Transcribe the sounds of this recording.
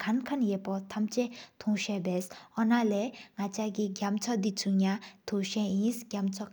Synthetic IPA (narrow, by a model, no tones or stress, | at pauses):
kʰankʰanjepɔt̪ʰamt͡ɕet̪ʰuŋɕɛbɛshɔnalɛːŋat͡ɕaʔkiɡamt͡sʰɔʔd̪it͡sʰuɲat̪ʰuʔɕɛʔjinsɡ̥amt͡sʰɔʔ